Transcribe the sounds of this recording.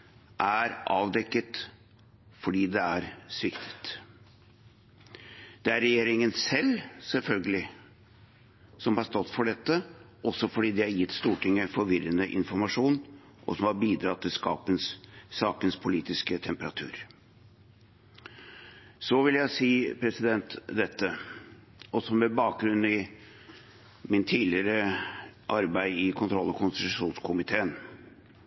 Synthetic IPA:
ʔæɾʔɑːʋd̪ɛkːət̪ | fɔɖiːd̪ɛæɾsʋɪkt̪ʰə̥t̪ | d̪̥ɛæɾːɛjeːɾɪŋənsɛlːsɛlfœlɡəlɪ | sɔmhɑɾst̪ɔt̪ːfɔɖɛt̪ːə | ʔɔsɔfɔɖiːd̪ɪhæɾjɪt̪ːst̪uːʈʰɪŋːəfɔɾʋɪɾːənəʔɪ̰nfɔɾmɑʂuːn | ʔɔ̰sɔmhɑɾbiːd̪ɾɑt̪ːɪlskɑ̰ːpənssɑːkənspʰʊliːt̪ɪskət̪ʰɛmpəɾɑt̪ʰʉ̰ːɾ | sɔʋɪljæɪsiːpʰɾɛsɪd̪ɛnt̪d̪ɛt̪ːə | ɔsɔmɛbɑːk̚ɡɾʉnːɪ | mɪnt̪ʰiːlɪɾəʔɑɾbæɪɪkʰʊnt̪ʰɾɔlːɔkʰʊnsʂuːnskʰʊmɪt̪ʰeːən

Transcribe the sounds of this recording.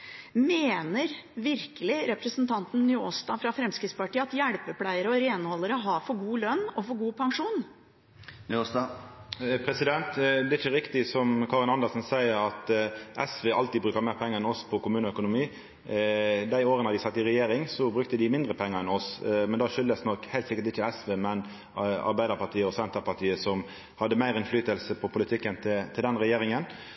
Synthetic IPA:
meːnəɾʋɪɾkəlɪɾɛpɾəsənt̪ʰɑnt̪n̩nyːoːst̪ɑːfɾɑfɾɛmskɾɪt̪spɑʈiːəɑt̪jæɽpəpʰlæɪəɾəɔɾeːnhɔlːəɾəɦɑfɔɡuːlœnːɔfɔɡuːpʰɑŋʂuːn | nyost̪ɑ | pʰɾɛsɪd̪ɛnt̪d̪ɛɪçəɾɪkt̪ɪsɔmkʰɑːʁɪnɑnd̪əlsnsæɪəɾɑt̪ʔɛsʋeːʔɑ̰lt̪iːbɾʉːkəɾmæɪʁpʰɛŋːəɛnɔspʰɔkʊmʉːnəœkʊnʊmiː | d̪æɪoːɾənəhɑd̪ɪsɑt̪ːɪʁɛjeːɾɪŋsɔbɾʉk̚t̪əd̪ɪmɪnd̪ɾəpʰɛŋːəɾɛnɔsmɛnd̪ɑːʃʏld̪əsnɔkhæɪlt̪sɪkəɾt̪ɪçːəɛsʋeːmɛn | ɑ̰ɾbæɪd̪əɾpɑʈ̪ʰiːəɔsɛnt̪əpɑʈ̪ʰiːəsɔm | hɑd̪ːəmæɪɾɪnflyːt̪əlsəpʰɔpʰʊlɪt̪ʰɪkːənt̪ʰɪt̪ʰɪld̪ɛnɾɛjeːɾɪŋən

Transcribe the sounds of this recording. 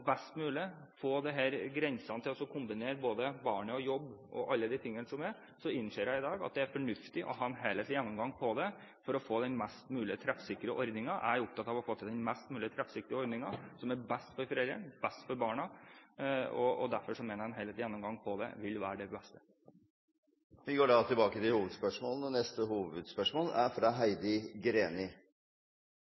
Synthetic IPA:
bɛst̪mʉːlɪəfoːd̪ɛɦeːɾɡɾɛnsɑnət̪ʰɪlɔsɔkʰʊmbɪneːɾboːd̪əbɑːɳəɔjɔbːɔ̰ʔɑlːəd̪ɪt̪ʰɪŋːənəsɔmæɾ | sɔɪnːʂeːɾjæɪɪd̪ɑːɡɑ̰t̪̚d̪ɛæɾfɔɳʉft̪ɪʔɔ̰ɦɑːɛnɦeleːt̪jɛnːɔmɡɑŋːpʰɔd̪ɛ | fɔɾɔfoːd̪ɛnmɛst̪mʉːlɪət̪ʰɾɛfsɪkːɾəʔɔɾd̪nɪŋɑʔæɾʊp̚t̪ʰɑt̪ɑːʋɔfoːt̪ʰɪld̪ɛnmæst̪mʉːlɪət̪ʰɾɛfsɪk̚t̪ɪəɔɾd̪nɪŋɑsɔmæɾbɛst̪fɔɾfɾɛləɳbɛst̪fɔɾbɑːɳɑ | ɔɔ̰d̪æɾfɔʂɔmeːnəɾhɑnɦɛːləːt̪ljɛnːɔmɡɑŋːpʰɔd̪ɛ̰ʋɪlːʋæːɾəɖɛbɛst̪ə | ʋɪɡoːɖɑt̪ʰɪlbɑːkət̪ɪlhuːʋəd̪spœʂmoːlənɔnɛst̪əhuːʋəd̪spœʂmoːlæɾfɾɑɦæɪd̪əɡɾeːnɪ

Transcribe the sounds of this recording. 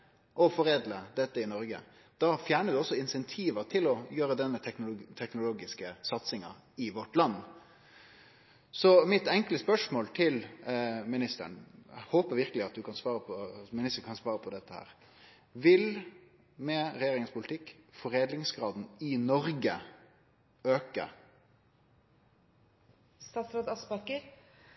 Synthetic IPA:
ʔɔfɔɾeːd̪ləd̪ɛt̪ːəɪnɔɾɡə̰ | d̪̥ɑfjæːɳəd̪ʉɔsːɔɪnsɛnt̪ʰiːʋət̪ʰɪlɔjøːɾəd̪ɛət̪ʰɛknʊlt̪ʰɛknʊloːɡɪskəsɑt̪sɪŋɑ̰ | ɪʋɔʈlɑnː | sɔmɪt̪ɛŋkələspœʂmoːlt̪ʰɪlmɪnɪst̪ə̰əɳhoːpəʋɪɾkəlɪɑt̪̚d̪ʉkʰɑnsʋɑːɾəpʰɔmɪnɪst̪əɾkʰɑnsʋɑːɾəpʰɔd̪ɛt̪ːəhæ̰ːɾ | ʋɪl | mɛɾɛjeːɾɪŋənspʰʊlt̪ʰɪkːfɔɾeːd̪lɪŋsɡɾɑːd̪n̩ɪnɔɾɡə | øːkə̰ | st̪ɑːt̪sɾoːd̪ɑsbɑkəɾ

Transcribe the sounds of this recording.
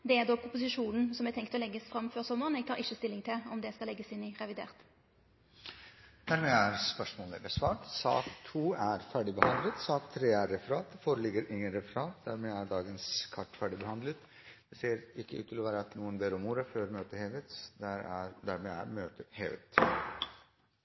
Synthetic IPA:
d̪ɛæʁd̪ɔkʰʊpʊsɪʂuːnən̩sɔmɛt̪ʰɛŋkt̪ɔlɛɡːəsfʁɑmføːʁsɔmːəʁənɛːɡ̚t̪ʰɑːʁɪçːəst̪ɪlːɪŋt̪ʰɪlɔmd̪ɛskɑlɛɡːəsɪnɪʁɛʋɪd̪ḛːʁt̪ | d̪̥æɾmɛːæɾspœʂmoːləd̪ɛsʋɑːʈsɑ̰ːkt̪ʰuːæɾfæːɖɪbəhɑnd̪lət̪sɑːkt̪ʰːɾeːæɾːɛfəɾɑːt̪foːɾəlɪɡəɾʔɪŋːənɾɛfəɾɑːt̪̚d̪æɾmɛæɖɑːɡənskʰɑʈːfæːɖɪbəhɑnd̪lət̪ | d̪̥ɛseːɾɪkːəʔʉ̰t̪ʰːɪlɔʋæːɾəɑt̪nuːənbeɾʊmuːɾəføːɾmøːt̪əheːʋət̪d̪æɾæɾd̪æɾmɛæ̰ɾmøːt̪əhḛːʋə̰t̪

